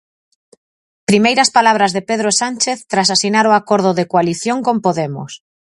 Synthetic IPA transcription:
pɾimejɾɐspalaβ̞ɾazðepeðɾosant͡ʃeθt̪ɾas̬asinaɾoakoɾð̞ʊðekoaliθjoŋkompoðemʊ̰s

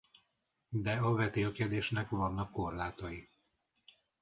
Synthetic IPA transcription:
d̪ɛɒvɛt̪eːlkɛd̪eːʃnɛkʋɒnːɒkːo̞rlaːt̪ɒji

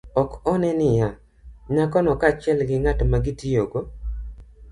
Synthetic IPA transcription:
ɔkɔnɛnɪja | ɲakɔnɔkat͡ʃɪɛlɡɪŋatmaɡɪtijoɡo

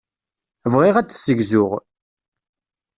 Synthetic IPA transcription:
vʁiʁæt͡sːsəʝzʊʁ

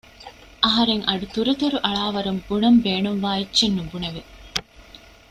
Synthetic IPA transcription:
ʔɐɦɐɾeŋʔɐɖut̪uɾut̪uɾuʔɐɭaːʋɐɾumbunɐmbeːnumʋaːitːʃenːubuneʋe

